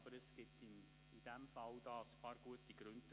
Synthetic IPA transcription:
b̥əɾəsɡ̥ɪtɪn | id̥æmfɑld̥ɑːspʰɑːɾɡ̥uətiɡ̥ɾʉnd

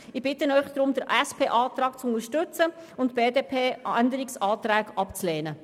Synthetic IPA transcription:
ɪb̥ɪtənœʏχd̥̪ɾʊmd̪əɾʔɛspʰeːʔɑːt̪ɾɑːkt͡sʊnəɾʃtʏt͡səʊntb̥eːdeːpʰeːændəɾɪksɑːt̪ɾɛːkʔɑpt͡sleːnə

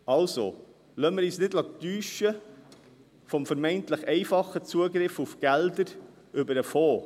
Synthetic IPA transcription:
ɑlso̰ | lœməɾiːsnɪdlɑt̪yːʃə | fɔmfəɾmɛɪntləχɛɪfɑχət͡suəɡɾɪfufɡ̥æld̪əɾ | ʏbəɾəfoː

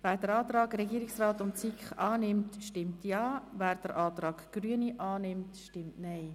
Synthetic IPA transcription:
væːɾdəɾɑːt̪ɾɑːɡɾɛɡiːɾɪksraːtʊnt͡sikχɑːnɪmtʃtɪmtjɑːvæːɾd̥əɾʔɑːt̪ɾɑːɡ̥ɡ̥ryəniʔɑːnɪmtʃtɪmtnaɪ

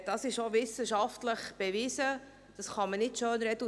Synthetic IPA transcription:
d̥ɑsɪʃovɪsəʃɑftləχb̥eviːsə | d̥ɑsχɑmənɪtʃøːnɾɛdu

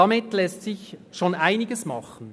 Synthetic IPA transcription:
ɑmɪtlɛstsɪçʃoːnʔaɪnɪɡəsmɑχən̩

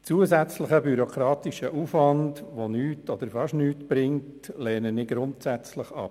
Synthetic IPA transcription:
t͡suəzæt͡sləχəbyɾokʰɾɑːt̪iʃəʔufʋɑndʋonyːtɔd̪əɾfɑʃnyːtb̥ɾɪŋtlɛːnənɪɡɾʊntsæt͡slɪχɑ̰p

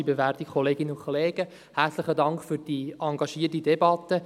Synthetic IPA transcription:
ibeværtikʰχoleːɡɪnəʊkʰχoleːɡ̥ə | hært͡sləχədɑŋkχfʏɾd̥iːɑŋɡɑʃiːtidɛbɑt̪ːə

